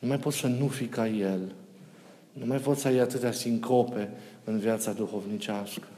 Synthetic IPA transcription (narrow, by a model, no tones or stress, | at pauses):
numajpo̞t̪sənufikaje̞l | numajpo̞t̪səjejat̪ɨt̪d̪asiŋkʰo̞pe̞ɨnvjat̪sad̪uxo̞vnit͡ʃaskə̥